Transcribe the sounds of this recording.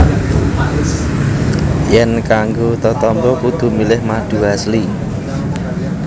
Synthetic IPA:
jɛnkaŋɡot̪ɔt̪ɔmbɔkud̪̥ṳmilɪhmad̥ṳɦasli

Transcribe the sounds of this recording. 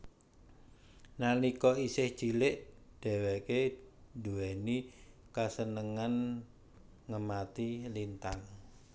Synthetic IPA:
nanikɔisɪhd̥ʒ̥i̤lɪʔd̥ɛ̤weked̪uwɛni | kasənəŋan | ŋəmat̪ilint̪aŋ

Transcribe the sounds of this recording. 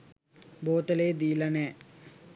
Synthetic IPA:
boːt̪əleːd̪iːlɐnɛː

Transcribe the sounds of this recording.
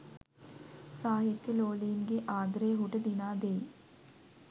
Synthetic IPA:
saːɦit̪ːiloːliːnɡeʔaːɡɾeːɦuʈɐd̪inaːd̪eː

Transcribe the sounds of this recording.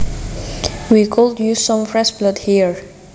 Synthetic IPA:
wikʰɔldjusɔ̃mfɹɛsblʌdhiəɹ

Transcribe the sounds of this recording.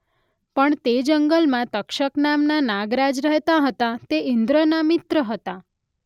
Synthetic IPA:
pəɳt̪ed͡ʒəŋɡəlmãt̪əkʃəknamnanaɡɾad͡ʒɾəɦt̪aɦət̪at̪eɪnd̪ɾənamɪt̪ɾəɦət̪a

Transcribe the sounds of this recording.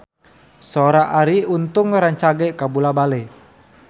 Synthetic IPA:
soɾaʔaɾiunt̪ʊŋɾaɲt͡ʃaɡɛkabulabalɛ

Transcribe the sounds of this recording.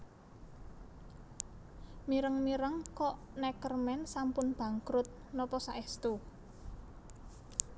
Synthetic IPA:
miɾəŋmiɾəŋkɔʔnɛkərmɛnsampʊnb̥ä̤ŋkɾʊt̪̚nɔpɔsaʔɛst̪u

